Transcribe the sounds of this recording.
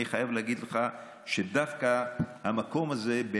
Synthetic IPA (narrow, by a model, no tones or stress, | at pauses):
iχajavlehaɡid̪leχa | ʃed̪afkahamako̞maze̞be